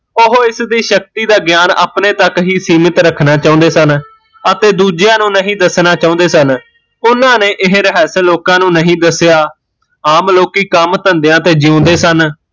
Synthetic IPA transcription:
ʊɦoːɪsd̪iːʃək̚t̪iːd̪aːɡɪjaːna̰ːpnẽːt̪əkɦiːsiːmət̪ɾəkʰnaːt͡ʃaːʊ̃nd̪eːsən | ət̪eːd̪uːd͡ʒjãːnũːnəɦĩːd̪əsnaːt͡ʃãːnd̪eːsən | ʊnãːneːʔɪɦɾəɦɛːsloːkãːnũːnəɦĩːd̪əsjaː | aːmloːkiːkəmt̪ənd̪ejãːt̪eːd͡ʒɪõːnd̪eːsən

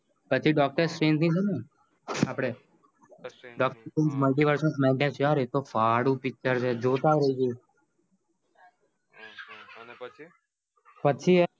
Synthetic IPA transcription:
pət͡ʃʰiɖɔk̚ʈəɾsɾent̪ʰnĩt͡ʃʰɛne | apɽ̃e | ɖɔk̚ʈəɾẽnsməlʈiʋəɾsə̃ns̬mɛ̃ɳʈẽnsjaɾet̪ofaɽũpɪk̚t͡ʃəɾt͡ʃʰed͡ʒot̪aɾəiɡe | pət͡ʃʰi

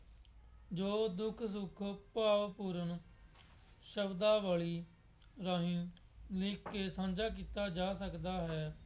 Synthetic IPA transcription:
d͡ʒoːd̪ʊkʰsʊkʰpaːʋpuːɾən | ʃəbd̪aːʋaːɭiː | ɾaːɦĩː | likːeːsãːnd͡ʒaːk̬iːt̪aːd͡ʒaːsəkd̪aːɦɛː

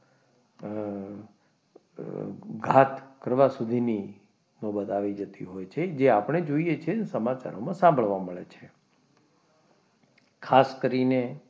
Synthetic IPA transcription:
ɡʱat̪kəɾʋasud̪ʱini | nɔbət̪aʋid͡ʒət̪ḭɦojt͡ʃʰed͡ʒeapɳ̃ed͡ʒoijet͡ʃʰesəmat͡ʃa̰ɾomãsãmbʱəɭʋaməɭet͡ʃʰe | kʰaskəɾine

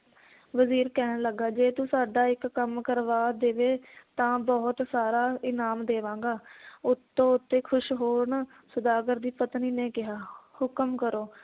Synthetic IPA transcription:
ʋəziːɾkɛːnləɡːaːd͡ʒeːt̪ũːsaːɖaːɪkːəmkəɾʋaːd̪eːʋeːt̪ãːbɔːt̪saːɾaːɪnaːmd̪eːʋãːŋɡaːʊt̪ːõːʊt̪ːeːkʰʊʃɦoːɾnaː | səd̪aːɡəɾd̪iːpət̪niːnẽːkɪɦaːhʊkəmkəɾoː

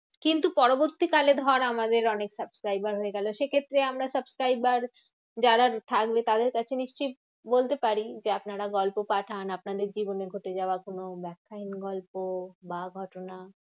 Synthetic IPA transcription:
kint̪upɔɾoboɾt̪ikaled̪ʱɔɾamad̪eɾɔneksəbskɾajbaɾɦoeɡɛloʃekʰet̪ːɾeamɾasəbskɾajbaɾ | d͡ʑaɾaɾt̪ʰakbet̪ad̪eɾkat͡ɕʰeniʃt͡ɕoj | bolt̪epaɾid͡ʑeapnaɾaɡɔlpopaʈʰanapnad̪eɾd͡ʑiboneɡʱoʈed͡ʑaoakonobɛkʰːaɦinɡɔlpobaɡʱɔʈona

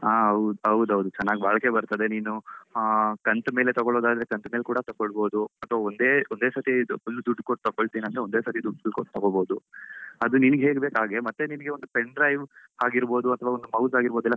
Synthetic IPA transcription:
aːɦɐwd̪uɐwd̪ɐʋd̪ut͡ʃɛnːaːɡibaːɭɐke̞bɐɾt̪ɐd̪e̞niːnu | kɐnt̪me̞ːlet̪ɔɡoɭoːd̪aːd̪ɐɾekɐnt̪meːlkuːɽɐt̪ɐɡoɭbo̞ːd̪uɐt̪ʰʋaːond̪eːond̪eːsɐt̪iolːud̪uɖːkoʈt̪ɐɡoɭt̪iːniɐnd̪ɾeond̪e̞ːsɐt̪id̪uɖkoʈt̪ːɐɡoɭboːd̪uɐd̪uninɐɡɦeːɡbe̞ːkaːɡe̞mɐt̪ːeninɐɡe̞ond̪upeɳɖɾɐjʋhaːɡiɾbo̞ːd̪uɐt̪ʰɐʋaːond̪umɐwsaːɡiɾboːd̪ɛlːɐ

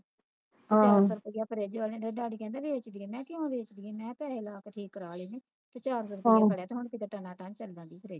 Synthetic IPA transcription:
t͡ʃːaːɾsɔːɾpəijaːpʰəɾeːd͡ʒʋaːlẽːd̪eːɖaːɽiːkɛ̃ːnd̪ɛːbeːt͡ʃd̪iːeːmɛ̃ːkɪãːbeːt͡ʃd̪iːeːmɛ̃ːpɛːlaːkʈʰiːkːɾaːleːnẽː | t̪eːt͡ʃaːɾsɔːɾpːaːkəɽeaːt̪eːɦʊɳkɪt̪eːʈənãːt̪ãːt͡ʃəld̪ãːd̪iːpʰəɾeːd͡ʒ

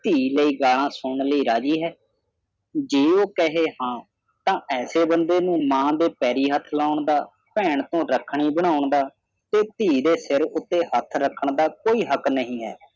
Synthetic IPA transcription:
t̪iːləiːɡaːlãːsʊɳləiːɾaːd͡ʒiːɦɛː | d͡ʒeːoːkəɦeːhãː | t̪ãːʔɛːseːbənd̪eːnũːmãːd̪eːpɛːɾiːɦət̪ʰlaːʊɳd̪aː | pɛːɳt̪õːɾəkʰɳiːbəɽ̃aːʊɳd̪aː | t̪eːt̪iːd̪eːsɪɾʊt̪ːeːhət̪ʰɾəkʰːəɳd̪aːkoːiːɦəknəɦĩːɦɛ̰ː

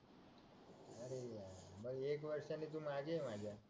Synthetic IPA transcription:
əɾebəɾiekʋəɾʃənit̪̬ũmãɡemãd͡ʒa

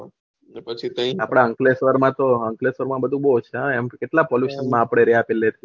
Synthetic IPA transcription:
pət͡ʃʰit̪ə̃ĩapɽ̃aəŋklesʋəɾmãt̪oəŋklesʋəɾmãbəd̪ʱũbot͡ʃʰeãemkeʈlapɔljuʃənmãːpɽ̃eɾɛapelːet̪ʰi

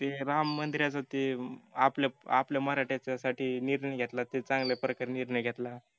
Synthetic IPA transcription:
t̪eɾamːənd̪iɾjat͡sat̪eaplaa̰pljaməɾaʈjat͡ɕasaʈiːniɾɳəjɡʱet̪lat̪et͡sãŋɡlepɾəkəɾniɾɳəjɡʱet̪la

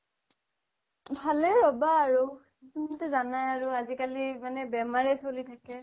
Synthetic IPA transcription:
bʱalɛɹɔbaːɹu | tunatɛzanajaɹuazikalimanɛbɛmaɹɛsolitʰakɛ

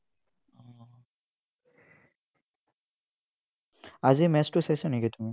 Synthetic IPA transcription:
ɔ | azimɛstusajsanekitumi

